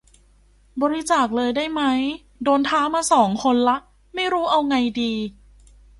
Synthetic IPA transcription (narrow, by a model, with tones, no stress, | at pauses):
bɔː˧ɾi˦t͡ɕaː˨˩k̚lɤː˧jdaː˥˩jma˦˥j | doː˧nt̪ʰaː˦˥maː˧sɔː˩˦ŋkʰo˧nla˦˥ʔ | ma˥˩jɾuː˦˥ʔa˧wŋa˧jdiː˧